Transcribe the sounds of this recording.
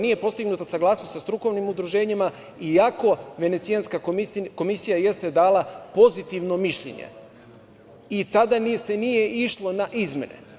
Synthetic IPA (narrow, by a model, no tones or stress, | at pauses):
nije̞po̞st̪iɡnut̪asaɡlˠaːsnost̪sast̪ɾuko̞ʋnimud̪ɾuʒe̞ːɲima | iako̞ʋe̞ne̞t̪sijanskako̞misijaje̞st̪e̞d̪aːlapo̞zit̪iʋno̞miʃʎḛɲḛ | it̪ad̪anse̞nije̞ʔiʃlˠo̞naʔizme̞̰nḛ